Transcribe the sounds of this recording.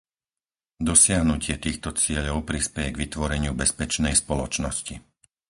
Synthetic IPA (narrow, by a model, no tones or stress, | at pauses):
d̪ɔsɪaɦnucɪɛt̪iːxt̪ɔt͡sɪɛʎɔʊpɾispɛjɛɡʋit̪ʋɔɾɛɲɪubɛspɛt͡ʃnɛjspɔlɔt͡ʃnɔsci